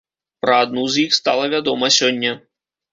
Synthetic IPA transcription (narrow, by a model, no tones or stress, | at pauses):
pɾɐad̪̚nuzjixst̪alˠɐvʲad̪ɔmɐsʲɔnʲːɐ